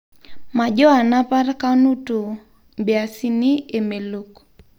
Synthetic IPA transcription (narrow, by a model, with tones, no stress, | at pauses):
ma˨d͡ʒɔ˦a˨na˦pa˦ɾka˦nu˦to˨ | mbja˨si˦ni˦e˨me˨lo˨k